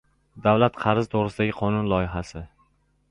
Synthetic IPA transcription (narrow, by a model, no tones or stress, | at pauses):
d̪avlat̪qʰɑɾzt̪ʰoʁɾɪsɪd̪aɡʲɪqʰɒnʊnlˠɒjɪɦasɪ